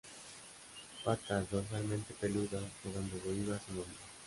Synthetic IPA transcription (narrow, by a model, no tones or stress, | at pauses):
pat̪aðoɾmalmẽnt̪epeluðaoɣand̪oβoiβasemõno